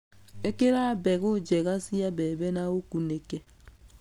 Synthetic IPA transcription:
ekeɾabɛɣod͡ʒɛɣasijabɛbɛnaokuneke

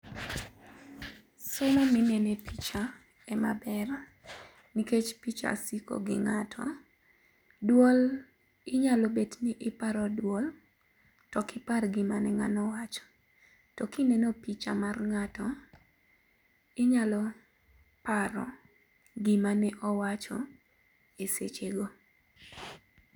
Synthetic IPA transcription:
sʊmɔmɪnɛnɛpit͡ʃa | ɛmabɛr | niket͡ʃpit͡ʃa̰siko̰ɡɪ̰ŋatʰɔ̰ | dwɔl | ɪɲalɔbednɪʔɪpaɾɔdwɔl | tɔkɪparɡɪmanɛŋa̰nɔwat͡ʃɔ̥ | tɔkinɛnopit͡ʃamarŋatɔ | ɪɲalɔ | paɾɔ̰ | ɡɪmanɛʔɔwat͡ʃɔ | esḛt͡ʃeɡo

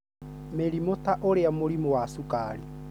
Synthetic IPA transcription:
meɾimotaʔoɾeamoɾimɔwasukaɾi

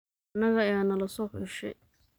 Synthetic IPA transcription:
nɐɣɐjaːnɐlɐsɔːħʊʃɛ̰

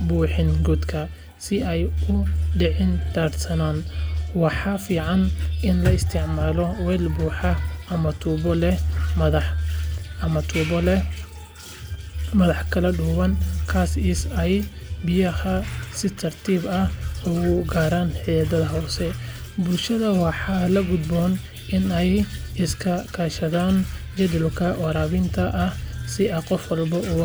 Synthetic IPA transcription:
buːħɪŋɡud̪kʰɐ | sɪɛjʊɖɪʕɪndaːrsɐnaːnwɑħɑfiːʕɑnʔɪnlɐɪst̪ʰɪʕmaːlɔwɛːlbuːħɑɐmɐt̪ʰuːbɔlɛmɐðɑ | ɐmɐt̪ʰuːbɔlɛ | mɐðɑħkʰɐlɐɖʊːwɐnkʰaːsisɛjbɪjɐhɐsɪt̪ʰɐrt̪ʰiːbɐhʊɣʊɡaːɾaːnħɪjɐd̪ɐðɐɦɔːsɛ | bʊlʃɐðɐwɑħɑːlɐɡʊd̪bɔn | ʔɪnɛjɪskʰɐkʰaːʃɐðaːnd͡ʒɐd̪ɪlkʰɐʔwɑɾaːβɪnt̪ʰɐʔːsɪɐqɔfwɑlbɐʔʊ

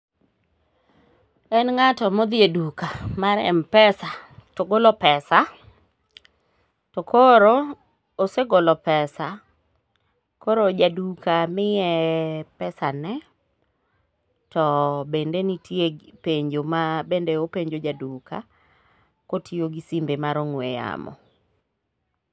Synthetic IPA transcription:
ɛnŋatɔmod̪edukamaɾɛ̰mpɛsatoɡolɔpɛsa | tɔkʰoɾo | oseɡolɔpɛsa | koɾod͡ʒadukʰamɪjɛpɛsanɛ | tɔbendenitʰjepeɲd͡ʒomabendeopeɲd͡ʒod͡ʒaduka̰ | kotioɡisimbemaɾoŋweja̰mɔ̰

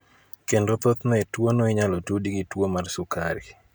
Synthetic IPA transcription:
kendot̪ot̪nɔɛtwonoiɲalotudiɡitwomarsʊkaɾḭ

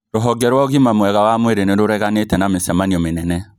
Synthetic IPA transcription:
ɾoɦɔɡɛɾwɔɣimamwɛɣawamweɾeneɾoɾɛɣanetɛnamesɛmaniɔmenɛnɛ

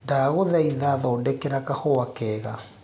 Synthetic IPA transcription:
ndaːɣoðɛiðaðɔdɛkeɾakahɔwakɛːɣa

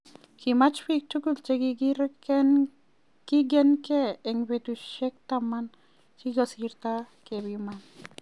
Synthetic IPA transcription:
kimat͡ʃpik̚t͡ʃukult͡ʃekiɡiɾe | kiɡ̬enkeeŋbet̪uʃʃek̚t̪aman | t͡ʃiɡosiɾt̪a | keβiman

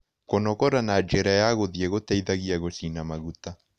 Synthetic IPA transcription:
konɔkɔɾanad͡ʒeɾajaɣoðjeɣotaiðaɣiaɣosinamaɣuta

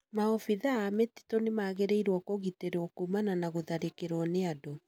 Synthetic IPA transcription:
maɔfiðaːmeti̥tɔnemaːɣeɾeiɾwɔkoɣiteɾɔkumananaɣoðaɾekeɾwɔneado

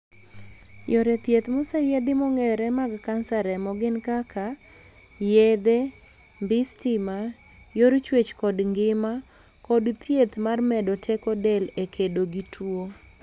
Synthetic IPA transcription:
joɾɛt̪jet̪mʊsɛjɛd̪ɪmɔŋɛɾɛmaɡkansaɾɛmɔɡɪnkakʰa | jed̪e | mbɪstɪma | joɾt͡ʃwet͡ʃkɔdŋɡɪma | kɔdt̪jet̪marmɛdɔtʰɛkɔdɛlekʰedoɡitʰwo

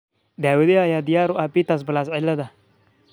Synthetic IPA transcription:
d̪aːwed̪eajad̪ɪjaɾʊʔapit̪as̬bəlas̬ɪlːad̪a

